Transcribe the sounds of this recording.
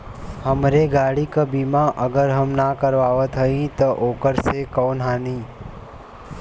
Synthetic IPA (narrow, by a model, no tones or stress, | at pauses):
həmɾeɡaːɽikabiːmaʔəɡəɾɦəmnakəɾʋaːʋət̪ɦəĩt̪oʔoːkəɾsekɔːnɦaːnĩː